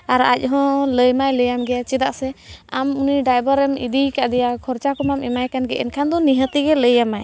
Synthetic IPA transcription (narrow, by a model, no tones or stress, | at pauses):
aɾa̰c̚ˀɦɔ̃ləjmajləjamɡɛjat͡ʃid̪aʔsɛamuniɖajbəɾɛmḭd̪ikaʔd̪ɛjakʰɔɾt͡ʃakɔmamɛmajkanɡɛʔɛ̰nkʰand̪ɔniɦət̪iɡɛləjamaj